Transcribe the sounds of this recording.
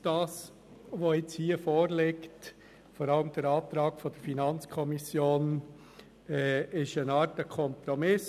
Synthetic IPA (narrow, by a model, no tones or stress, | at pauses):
d̥ɑːs | ʋoɪt͡shiːəfoːɾlɪkt | fɔɾɑləmd̥əɾɑːt̪ɾɑːkfɔd̥əɾfinɑnt͡skʰɔmisjoːn | ɛːɪʃənɑːɾtəkʰɔmpɾɔmɪs